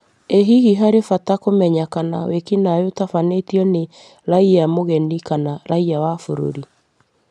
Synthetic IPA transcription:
eɦihiɦaɾefatakomɛɲakana̰wekinajotafanetiɔne | ɾaiamoɣɛnikanaɾaiawafoɾo̰ɾi

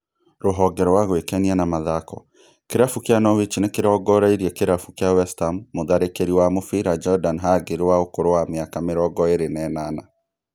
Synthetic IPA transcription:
ɾoɦɔɡɛɾɔwaɣwekɛnianamaðakɔ | keɾafukjanɔwit͡ʃinekeɾɔɡɔɾaiɾiɛkeɾafukjawɛstamːoðaɾekeɾiwamofiɾad͡ʒɔdanɦaɡeɾewaokoɾowameakameɾɔɡɔeɾenɛːnana

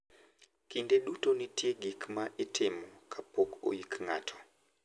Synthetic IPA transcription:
kindeɗutonitʰieɡikmaʔitʰemɔkʰapoko̰jikŋa̰tʰɔ̥

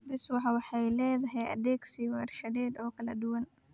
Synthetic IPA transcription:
bɪswɑħɑwɑħɑjlɛːðɐɦɛjʔɐ̰d̪ɛːɡsiwɛːrʃɐdɛːd̪ɔːkʰɐlɐd̪ʊwɐn

